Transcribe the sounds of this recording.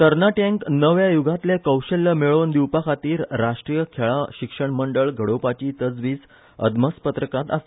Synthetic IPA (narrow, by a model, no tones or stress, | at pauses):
t̪əɾnaʈẽŋknəʋjajuɡʱat̪lekəwɕelːəmeɭond̪iwpakʰat̪iːɾːaʂʈɾijəkʰeɭaɕikʂəɳməɳɖəɭɡʱəɽopat͡ɕiːt̪əd͡zʋiːs | ə̰d̪məspət̪ɾəkat̪a̰st̪